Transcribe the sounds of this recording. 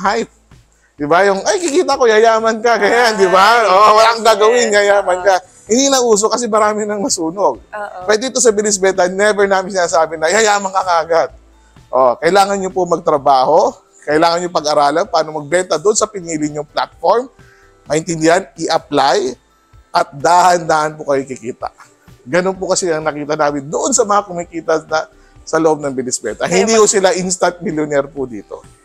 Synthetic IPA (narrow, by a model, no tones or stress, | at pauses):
ɦajp̚ | d̪ɪbajʊŋʔɐjkikiːt̪ɐko̞jɐjaːmɐnkɐɡɐjand̪ɪbaʔoʔwɐlaŋɡaːɡɐwɪnɡɐjaːmɐnkɐ | hɪnd̪inɐʔuːs̬okɐs̬ɛmɐɾaːmɪnɐŋmɐsuːnoɡ̚pɛd̪iɪt̪osɐbɪlɪsbɛnt̪̬ɐnɛbɛɹnaːmɪnsɪnaːsaːbɪnɐjɐjaːmɐŋkɐŋaɐɡad̪̚ | ʔokɐʔɪlaːŋɐnɲopʊmɐɡ̚t̪ɾɐbaːho̞ | kɐʔɪlaːŋɐnɲopɐɡɐɾaːlɐnpaːnomɐɡ̚bɛnt̪ɐd̪oʔonsɐpɪniːlɪɲoŋpla̰t̪̚foɹm | mɐʔɪnt̪ɪnd̪ɪhanɪʔɐplaj | ʔɐt̪̚d̪aːhɐnd̪aːʔɐnpʊkɐjojkɪkiːt̪ɐ̰ | ɡɐnonpʊkɐsɛɐŋnɐkiːt̪ɐnaːmɪnd̪oʔonsɐmɐŋakʊmikiːt̪ɐnɐ | sɐlɐʔo̞b̚nɐŋbɪnɪsbɛ̰t̪ɐhɪnd̪iːhosɪlaʔinst̪ɐnt̪̚mɪljonɛɾpʊd̪ḭːt̪o̞̰